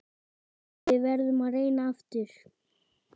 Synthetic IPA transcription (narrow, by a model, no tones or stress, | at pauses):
vɪðvɛɾðʏmareːjnaaft̪ʏɾ̥